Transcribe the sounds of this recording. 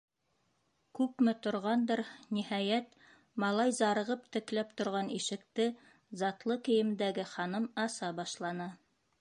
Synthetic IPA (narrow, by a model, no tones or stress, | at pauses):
kʉpmɘt̪ŏɾʁɑnd̪ɤɾnihɑjæt̪ | mɑlˠɑjzɑɾɤ̆ʁɤp̚t̪ɘ̆klæpt̪ŏɾʁɑniʃɘ̆kt̪ɘ | zɑt̪lˠɤkɘ̆jɘ̆md̪æɡɘχɑnɤmɑsɑbɑʃlˠɑnɤ